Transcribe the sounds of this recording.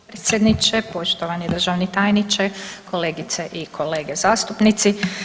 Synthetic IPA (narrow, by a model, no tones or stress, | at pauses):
pɾet̪sʲjed̪nit͡ʃepo̞ʃt̪oʋanid̪r̩ʒaʋnit̪aːjnit͡ʃekʰo̞leːɡit̪seʔikʰo̞le̞ːɡezaːst̪upnit̪si